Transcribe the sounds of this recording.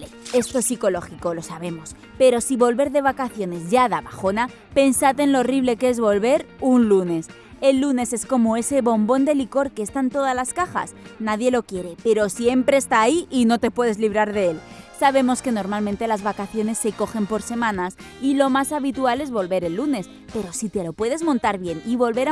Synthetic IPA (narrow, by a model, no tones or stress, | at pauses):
est̪oesiko̞lo̞xiko̞lo̞saβe̞mos | pe̞ɾo̞siβo̞lβe̞ɾðe̞βakaθjo̞ne̞zʝaðaβaxo̞na | pe̞nsat̪e̞nloriβ̞le̞ke̞zβo̞lβe̞ɾunlune̞s | e̞lːune̞se̞sko̞mo̞e̞se̞βo̞mbo̞nd̪e̞liko̞ɾkeːst̪aent̪o̞ð̞azlaskaxa̰snaðje̞lo̞kje̞ɾepe̞ɾo̞sje̞mpɾe̞ːst̪aːiino̞t̪e̞pwe̞ð̞e̞zliβ̞ɾaɾðeelsaβ̞e̞mo̞ske̞no̞ɾmalmẽnt̪e̞lazβakaθjo̞ne̞sːe̞ko̞xe̞mpo̞ɾse̞mãnas | ilo̞masaβit̪uale̞zβo̞lβe̞ɾe̞lːune̞s | pe̞ɾo̞sit̪elo̞pwe̞ð̞e̞zmõnt̪aɾβje̞niβo̞lβe̞ɾ